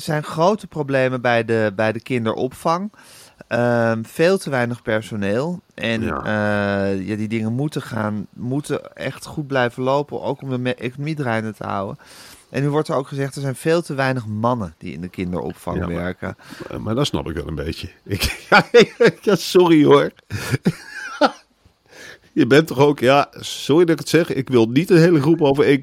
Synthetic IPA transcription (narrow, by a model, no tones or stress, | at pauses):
z̥ɛjnχrowtəprowblejmənbɛjdəbɛjdəkɪndə̰ɹʔɔ̰pfɑŋ | əfeːlˠtəʋɛjnəχpɛɹsoneːlˠʔɛnəjadidɪŋənmutəχaːnmutəɛ̰χtχud̚blɛjvənlowpəno̰wkɔmdəmʔejkonomidrɛjnətə̰ɦʌ̰wə̰nʔɛnːyʋɔɹtəɹowkχəzɛχtɛɹzɛjnv̥eːlˠtəʋɛjnəχmɑnəd̥ḭɪ̰ndəkɪndə̰ɹɔ̰pfɑ̰ŋʋɛ̰ɹkəma̰dɔtsnɑ̰pɪkʋɛ̰lˠə̰nbḛjjəɪkjajasɔrioɹ | jəbɛntɔχowkjasɔridɑɪkətsɛχɪkʋɪlˠnitənɦejləχrupowvəɹɪk